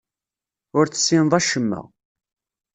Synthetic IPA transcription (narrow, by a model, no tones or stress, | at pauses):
ʊɾt͡sːə̥sːɪnðˤæʃəmːə̰ʁ